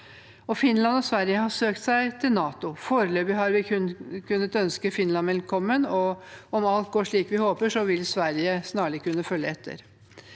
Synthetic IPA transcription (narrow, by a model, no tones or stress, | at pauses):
ɔfɪnːlɑnɔsʋæɾjəhɑsøːkt̪sæɪt̪ʰɪlnɑːt̪ʊfoːɾəløːbəɦɑɾʋɪʉnkʰʉnːət̪œnskəfɪnlɑnʋɛlkʰɔmːənɔɔmɑlt̪̚ɡoːʂɭiːkʋɪhoːpəʂɔʋɪlsʋæɾjəsnɑːɭɪkʰʉnːəfœljəɛt̪ʰːə̰ɾ